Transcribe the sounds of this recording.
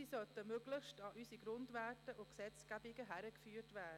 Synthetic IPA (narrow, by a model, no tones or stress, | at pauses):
isœtəmøɡ̥lɪχʃtɑʔysiɡɾʊndʋæːtəʔʊksɛt͡sɡ̥æbiɡəɦæɾəkfyːɾtʋæːdə